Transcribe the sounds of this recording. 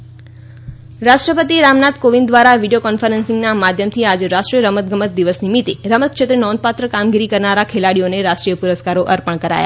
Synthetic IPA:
ɾaʃʈɾəpət̪iɾamnat̪koʋĩnd̪ʋaɾaʋiɖijokɔnfəɾənsɪŋɡnamad̪ʱjəmt̪ʰiad͡ʒɾaʃʈɾijəɾəmət̪̚ɡəmət̪̚d̪iʋəsnimit̪eɾəmət̪̚kʃʰet̪ɾinɔ̃nd̪̚pat̪ɾəkamɡiɾikəɾnaɾakʰelaɽioneɾaʃʈɾijəpuɾəskaɾoʔəɾpəɳkəɾa̰ja̰

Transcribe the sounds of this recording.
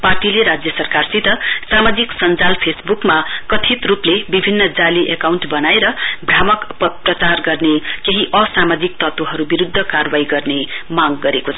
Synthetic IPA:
parʈileɾad͡zjʌsʌrkarsit̪ʌsamad͡ziksʌnd͡zalpʰesbukmakʌt̪ʰit̪ruplebibʱinːʌd͡zaliʔekawɳʈbʌnaeɾʌbʱramʌkpʌprʌt͡sarɡʌrnekeɦiʔʌsamad͡zik̚t̪ʌt̪oɦʌɾubiɾud̪ʱːʌkarʌwaiɡʌrnemaɡːʌɾekot͡sʰʌʌ

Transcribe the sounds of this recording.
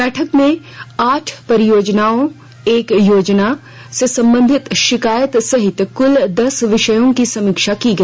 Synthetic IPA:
bɛːʈʰəkmẽ | aːʈʰpɐɾɪjoːd͡ʒnaːõ | eːkjoːd͡ʒna | sesɐ̃mbə̃nd̪ʱɪt̪ʃɪkaːjət̪sɐɦɪt̪ːkʊld̪ɐsʋɪʃəjõkisɐmɪkʃakiɡɐ

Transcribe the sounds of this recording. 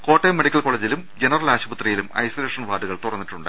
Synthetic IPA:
ko̞ːʈːemːeɽikʲːɐlko̞ːɭeːd͡ʑilumd͡ʑenɐrɐlaːɕɐbɐt̪rɐjilumɐ̰jsole̞ːʂɐnʋaːɖuɣɐɭt̪urɐnːiʈːuɳɖɨ

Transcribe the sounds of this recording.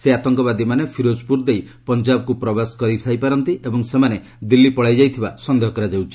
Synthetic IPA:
seat̪ɔŋkɔbad̪imanepʰiɾospuɾd̪ej | pɔnd͡ʒabkupɾɔbaskɔɾit̪ʰajpaɾɔnt̪iʔebɔŋsemane | d̪ilːipɔɭajd͡ʒajt̪ʰibasɔnd̪eɦɔkɔɾad͡ʒawt͡ʃʰi̥

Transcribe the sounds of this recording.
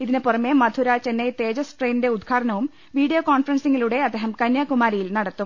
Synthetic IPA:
iðinepurɐmːemɐd̪ʱuɾaːt͡ɕenːejt̪e̞ːd͡ʑɐsʈreːnide̞ud̪̚ɡʰʱaːɽɐnɐʋum | ʋiːɽijoːkaːnfɐrɐnsiŋːiluɽe̞ɐd̪ʱeːɦɐmkɐnjaːkumaːɾijilnɐɽɐt̪ːum

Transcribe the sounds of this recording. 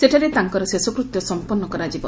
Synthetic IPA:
seʈʰaɾet̪aŋkɔɾɔsesɔkɾut̪jɔsɔmpɔnːɔkɔɾad͡ʒibɔn

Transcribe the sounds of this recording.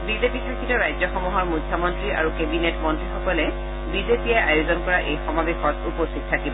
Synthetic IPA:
bizepikʰakʰinɔɹajzɔxɔmuɦɔɹmutʰːɔmɔntɹia̰ɹukebinetmɔntɹixɔkɔlɛ | bizepijɛajozɔnkɔɹaʔejxɔmabexɔtupost̪it̚tʰːakibɔ

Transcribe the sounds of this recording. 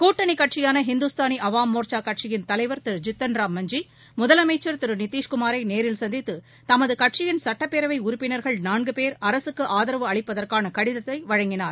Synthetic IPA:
kuːʈːɐɳikɐʈt͡ʃɪjaːnɐɦɪnd̪ʊst̪aːniʔɐʋaːmːoːɾt͡ʃaːkːɐʈ̚t͡ʃɪjɪnt̪ɐlɐɪʋɐɾt̪ɪɾɯd͡ʒɪt̪ːɐnɾaːmːɐɲd͡ʒi | mʊðɐlɐmɐɪt͡ʃːɐɾt̪ɪɾɯnɪt̪ːiːʂkʊmaːɾɐɪneːɾɪlsɐnd̪ɪt̪ːɯ | t̪ɐmɐðɯkɐʈ̚t͡ʃɪjɪnsɐʈːɐpːeːɾɐʋɐɪʊɾʊpːɪnɐɾɣɐɭnaːɳɡɯpeːɾɐɾɐsɯkːɯʔaːðɐɾɐʋɯɐɭɪpːɐðɐrkaːnɐkɐɽɪðɐt̪ːɐɪʋɐɻɐŋɡɪnaːɾ

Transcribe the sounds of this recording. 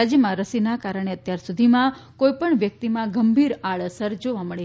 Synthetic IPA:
ad͡ʒjəmãɾəsinakaɾəɳ̃eət̪jaɾsud̪ʱimãkojpəɳʋjək̚t̪imãɡəmbʱiɾaɭəsəɾd͡ʒoʋaməɭe

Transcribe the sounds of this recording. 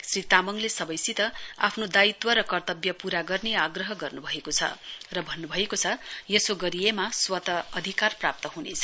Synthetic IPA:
srit̪amʌŋlesʌbʌjsit̪ʌa̰pʰnod̪ait̪wʌɾʌkʌrt̪ʌbjʌpuɾaɡʌrneaɡrʌɦʌɡʌrnubʱʌekot͡sʰʌ̰rʌbʱʌnːubʱʌekot͡sʰʌjʌsoɡʌɾijemaswʌt̪ʌʌd̪ʱikarprap̚t̪ʌɦunet͡sʰʌ̥

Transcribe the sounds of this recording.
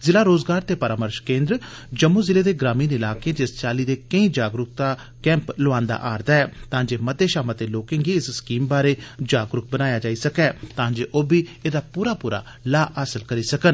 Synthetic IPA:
zɪlaːɾoːzɡaːɾt̪eːpəɾaːməɾʃkẽːnd̪ɾ | d͡ʒəmːoːzɪleːd̪eːɡɾaːmiːnɪlaːkẽd͡ʒɪst͡ʃaːliːd̪eːkəĩːd͡ʒaːɡɾʊk̚t̪aː | kɛ̃ːmplʊãːnd̪a̰ːʔaːɾd̪aːɛːt̪ãːd͡ʒeːməd̪ːeːʃaːmat̪eːloːkɪ̃ŋɡiːɪsskiːmbaːɾeːd͡ʒaːɡɾʊk̚bənaːjaːd͡ʒaːiːsəkɛːt̪ãːd͡ʒeːʔoːbiːeːd̪aːpuːɾaːpuːɾa̰ː | laːʔaːsəlkəɾiːsəkən

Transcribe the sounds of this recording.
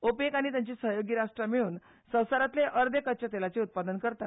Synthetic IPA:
opekaɽ̃it̪jaɲt͡ɕiːsəɦjoɡiːɾaʂʈɾamiɭuːn | sə̃w̃saɾat̪leʔəɾd̪ekət͡ɕət̪elat͡seut̪̚pad̪ənkəɾt̪at̪

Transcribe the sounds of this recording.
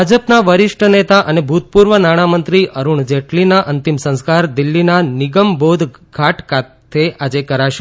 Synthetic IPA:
ad͡ʒəpnaʋəɾɪʃʈʰənet̪aʔənebʱut̪̚puɾʋənaɽ̃amənt̪ɾiʔəɾuɳd͡ʒeʈlinaʔənt̪imsə̃w̃skaɾd̪ɪlːinaniɡəmbod̪ʱɡʱaʈkat̪ʰead͡ʒekəɾaʃ

